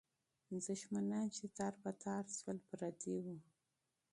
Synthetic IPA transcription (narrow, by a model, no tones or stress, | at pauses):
d̪əʃmanant͡ʃet̪ɑɾpat̪ʰɑɾswalpɾat̪ʰiwu